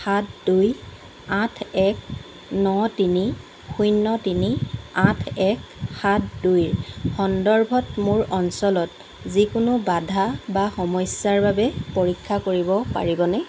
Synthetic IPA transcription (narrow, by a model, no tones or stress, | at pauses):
xatduj | ãtʰɛk̚ | nɔtini | xujnːɔtiniãtʰɛkxatdujxɔndɔɹbʱɔtmʊɹɔnsɔlɔt | zikʊnʊbadʱabaxɔmɔjsjaɹbabɛpoɹikʰːakoɹibɔpa̰ɹibɔnɛ